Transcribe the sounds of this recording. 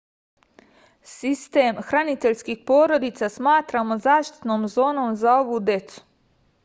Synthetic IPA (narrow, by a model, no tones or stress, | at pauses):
sist̪eːmxɾanit̪eʎskixpo̞ːɾod̪it̪sasmaːt̪ɾamo̞zaːʃt̪i̥t̪noːmzo̞ːno̞mzao̞ʋud̪je̞t̪su̥